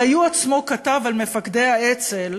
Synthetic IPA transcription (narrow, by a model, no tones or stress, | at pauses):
ajuat͡smo̞kat̪avalme̞fakd̪e̞jhaet͡sel